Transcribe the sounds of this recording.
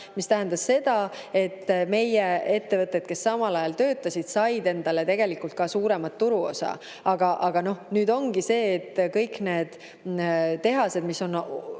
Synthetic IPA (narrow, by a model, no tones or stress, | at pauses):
mist̪æɦænd̪̥ɑsse̞d̪̥ɑe̞t̪ːme̞jee̞t̪ːe̞vɤt̪ːˑed̪̥ke̞sːɑmɑlɑjɑlt̪ø̞ːt̪ːˑɑsʲid̪̥sɑjd̪e̞nd̪̥ɑle̞t̪e̞ɡ̥e̞likult̪̚kɑsuːɾe̞mɑt̪ːuɾuo̞̰sɑ̰ | ɑɡ̥ɑʔɑɡ̥ɑno̞hnyːd̪o̞ŋɡ̥ise̞ːt̪ːkɤjkne̞ːd̪̥ | t̪e̞ɦɑse̞d̪̥miso̞n